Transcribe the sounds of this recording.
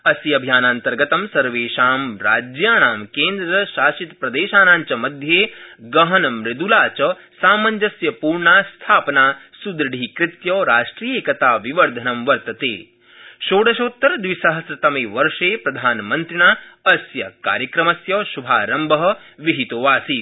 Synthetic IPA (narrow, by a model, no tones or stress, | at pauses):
ɐsjɐbʱjaːnaːnt̪ɐɾɡɐt̪ɐmsɐɾʋeːʃaːmɾa̰ːd͡ʒjaːnaːmkeːnd̪ɾɐʃaːʃit̪pɾɐd̪eːʃaːnaːɲt͡ʃɐmɐd̪ʱjeːɡɐɦɐnɐmɾɪd̪ulaːt͡ʃɐ | saːmɐɲd͡ʒɐsjɐpuːɾɳaːst̪ʰaːpɐnaːsud̪ɾɐɽ̤ʱikɾɪt̪jɐːɾaːʂʈɾijeːkɐt̪aːʋiʋɐɾd̪ʱɐnɐmʋɐɾt̪ɐt̪ḛː | ʃoːɽɐʃoːt̪ːɐɾd̪ʋisɐɦɐsɾɐt̪ɐmeːʋɐɾʂeːpɾɐd̪ʱaːnmɐnt̪ɾinaːɐsjɐka̰ːɾjɐkɾɐmɐsjɐːʃubʱaːɾɐmbʱɐɦɐ̆ | ʋiɦit̪oʋaːsiː